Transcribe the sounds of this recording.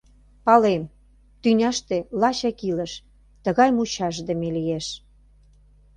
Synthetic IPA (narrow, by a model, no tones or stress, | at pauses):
pɑlem | t̪ynʲɑʃt̪elɑɕɑkilə̆ʃ | t̪ə̆ɣɑjmut͡ɕɑʃd̪əmelijeʃ